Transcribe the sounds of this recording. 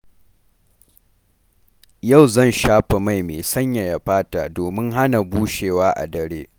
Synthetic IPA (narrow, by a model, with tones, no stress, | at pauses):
ja˦˨wzɐ˦˨nʃaː˦ɸe˨ma˦˨jmeː˨sɐ˦ɲja˨ja˨ɸaː˦ta̰ː˨doː˨mɪ˦ŋɦa˦na˨buː˦ʃeː˨waː˦ʔa̰˨dɐ˨ɽeː˦